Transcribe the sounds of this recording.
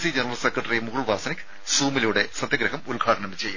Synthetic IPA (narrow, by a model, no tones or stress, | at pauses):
sid͡ʑɐnɐrɐlsekrɐʈːɐrijemuɣɐɭʋaːsɐnikʲːɨ̥ | suːmiluːɽe̞sɐd̪jɐɡɾɐɦɐmulɡʱaːɽɐɳɐmt͡ɕejːu